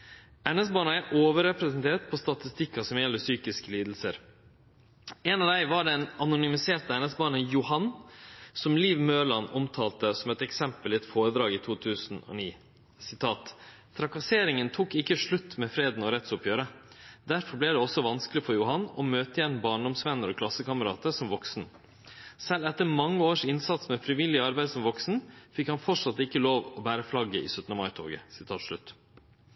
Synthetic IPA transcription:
ɛnɛsbɑːɳəæɪʔoːʋəɾɛpɾɛsənt̪ʰeːɾʈ̪pʰɔst̪ɑt̪ɪst̪ɪkːɑsɔmjɛlːəsyːkɪskəliːd̪l̩səɾ | ɛnɑʋd̪æɪʋɑɖɛnɑnʊnʏmɪseːɾt̪əɛnɛsbɑːɳənjʊhɑnsɔmliːʋmøːɭɑnɔmt̪ʰɑːlt̪əsɔmɛt̪ɛksɛmpəlɪɛt̪foːɾəd̪ɾɑːɡiːt̪ʰuːt̪ʰʉːsn̩ɔ̰ːniː | sɪt̪ʰɑːt̪ | t̪ʰːɾɑkɑseːɾɪŋənt̪ʰuːkɪkːəʂɭʉt̪ːmɛfɾeːd̪nɔɾɛt̪ːsʊpjøːɾə | d̪æɾfɔɾblɪd̪ɛɔsːɔʋɑnsklɪfɔɾjʊhɑnːɔmøːt̪əɪjɛnbɑːɳɖɔmsʋɛnːəɾɔkʰlɑsːəkɑməɾɑ̰ːt̪əɾsɔmʋɔksn | sɛlɛt̪ːəɾmɑŋːəoːʂɪnsɑt̪smɛfɾɪʋɪlːɪəɑɾbæɪd̪sɔmʋɔksn̩fɪkhɑnfɔʈʂɑt̪ːɪkːəloːʋɔbæːɾəflɑɡəɪ̰sœt̪nəmɑɪt̪ʰo̰ːɡə̰sɪ̥t̪ʰɑːt̪ʂɭʉt̪ː

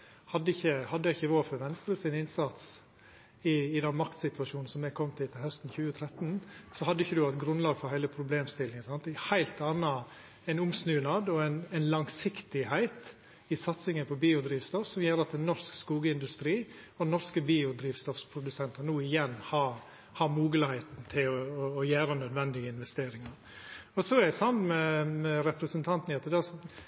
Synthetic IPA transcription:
hɑd̪ːəɪçːəhɑd̪ːəjɛɪçːəʋoːɾfɔɾʋɛnst̪ɾəsɪnɪnsɑt̪s | ɪːd̪ɛnmɑkt̪sɪt̪ʉʋɑʂuːnn̩sɔmːɛɡkʰɔmːt̪ʰɪlt̪ʰɪlhœst̪n̩çʉːət̪ʰɾɛt̪nsɔhɑd̪ːəɪçːəd̪ʉɑt̪ɡɾʉnlɑːɡfɔɾhæɪləpʰɾʊbleːmst̪ɪlːɪŋənsɑnt̪hæɪlt̪ɑnɑ | ɛɪnʊmsnʉːnɑd̪ɔɛɪnɛɪnlɑŋsɪkt̪ɪhæɪt̪ | ɪsɑt̪sɪŋənpʰɔbiːʊd̪ɾiːʋst̪ɔfsɔmjøːɾɑt̪̚d̪ɛnnːɔɾskskuːɡəɪnd̪ʉst̪ɾiː | ɔnɔɾskəbiːʊd̪ɾiːʋst̪ɔfspʰɾʊd̪ʉsɛnt̪əɾnuːɪjɛnːhɑɾ | hɑɾmuːɡələhæɪt̪n̩t̪ʰɪlɔɔːjæːɾənœd̪ʋɛnd̪ɪɡəɪnʋɛst̪eːɾɪŋɑɾ | ɔsɔæɾɛsɑmnmɛmɛɾɛpɾəsənt̪ʰɑnt̪nɑt̪ːəd̪ɛ

